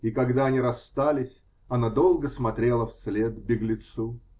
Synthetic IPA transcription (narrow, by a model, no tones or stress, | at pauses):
ikɐɡd̪aɐnʲiɾɐst̪alʲɪsʲ | ɐnad̪o̞lˠɡəsmɐt̪ɾʲelˠəfslʲed̪bʲɪɡlʲɪt̪su